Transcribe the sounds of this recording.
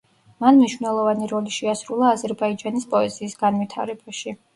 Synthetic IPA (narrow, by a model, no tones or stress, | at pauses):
manmniʃwvnɛlˠɔvaniɾɔliʃɛasɾulˠaːzɛɾbaid͡ʒanispʼɔɛziːsɡanvit̪ʰa̰ɾɛbaʃi